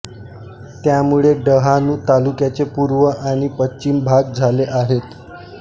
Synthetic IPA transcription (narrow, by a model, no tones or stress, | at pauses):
t̪jamuɭeɖəɦanuːt̪alukjat͡sepuɾʋəʔaɽ̃ipətːɕimbʱaɡ̚d͡zʱaleʔaɦet̪